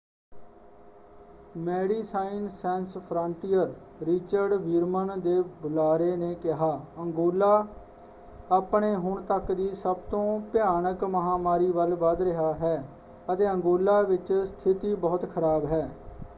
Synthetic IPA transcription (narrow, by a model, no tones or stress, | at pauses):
mɛːɽiːsaːɪnsɛ̃ːnspʰɾəɳʈiːjəɾ | ɾɪt͡ʃəɾɖʋiːɾmənd̪eːbʊlaːɾeːneːkɪɦaːəŋɡoːlaː | aːpɳeːɦʊɳt̪əkd̪iːsəbt̪õːpɪjaːnəkməɦaːmaːɾiːʋəlʋəd̪ɾɪɦaːɦɛː | ət̪eːəŋɡoːlaːʋɪt͡ʃst̪ʰɪt̪iːbɔːt̪kʰəɾaːbɦɛː